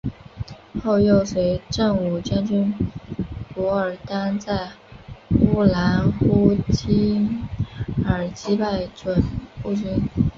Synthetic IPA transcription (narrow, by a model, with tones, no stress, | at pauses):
xo˥˧ʊjo˥˩ʊswe˧˥ɪʈ͡ʂɤ˥˩ŋu˨˩t͡ɕja˥nt͡ɕy˥n | pɔ˧˥ə˞˨˩t̪a˥nt͡sa˥˩ɪ | xu˥la˧˥nxu˥t͡ɕʰi˥ŋ | ə˞˨˩t͡ɕi˥pa˥˩ɪʈ͡ʂwə˨˩nu˥˩t͡ɕy˥n